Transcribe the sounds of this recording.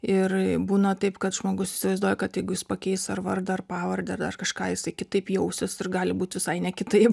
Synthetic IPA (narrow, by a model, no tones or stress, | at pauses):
ɪrbuːnɐt̪ɐɪpkɐt̪ʒmoːɡʊsɪ̥sʲɪʋɐɪzd̪uːjɛkɐt̪jɛɪɡʊjɪspɐkʲɛɪsɐrʋɐrd̪ɐɐrpɑːʋɐɾʲd̪ʲɛɐrdɐrkɐʃkɑːjɪsɐɪkʲɪt̪ɐɪpjɛʊsʲɪsɪrɡɑːlʲɪbuːt̪ʲʋʲɪsɐɪnʲɛkʲɪt̪ɐɪp